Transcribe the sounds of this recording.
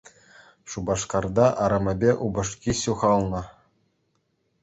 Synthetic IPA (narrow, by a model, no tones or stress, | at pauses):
ʂubɑʂkɑrd̪ɑʔɑɾɤ̆mʲɘ̆bʲeʔubɤ̆ʂkʲiɕuʁɑlˠnɤ̆